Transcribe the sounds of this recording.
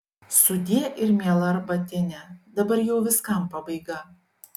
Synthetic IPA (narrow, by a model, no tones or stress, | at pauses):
sʊd̪ʲiɛʔɪɾmʲiɛlˠɐɾbɐt̪ʲɪnʲɛd̪ɐbɐɾjɛʊʋʲɪskɐˑmpɐbɐɪɡɐ